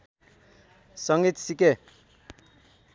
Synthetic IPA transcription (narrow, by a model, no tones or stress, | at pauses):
sʌŋɡit̪sike